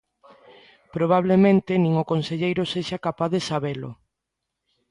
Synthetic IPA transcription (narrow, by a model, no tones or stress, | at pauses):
pɾoβ̞aβ̞lemẽnt̪enĩŋokonseʎejɾʊseʃakapaððesaβelʊ̰